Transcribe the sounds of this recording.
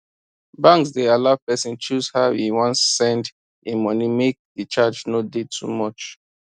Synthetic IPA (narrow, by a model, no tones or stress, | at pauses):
bãŋksdealavpɛsĩnt͡ʃuzhaiwɔ̃nsːɛ̃nd | ĩmɔnimek̚ðit͡ʃad͡ʒnodetʰṵmɔt͡ʃ